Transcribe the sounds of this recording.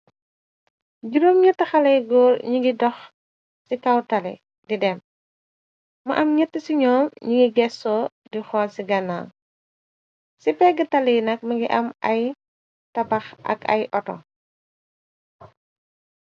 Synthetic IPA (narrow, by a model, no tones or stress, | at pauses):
ɟuɾomɲətːɐxɐlɐjɡɔːrɲiŋɡidɔx | sikɐwtɐlḭ | didɛm | mɐ̰ʔɐmɲətːəsiɲɔːmɲiɡiɡɛsɔ | dixɔːlsiɡɐnːa̰l | sipɛɡətɐlinɐk̚mɐɡiʔɐmɐ̰j | tɐbɐxʔɐ̰kɐ̰jʔɔtɔ̰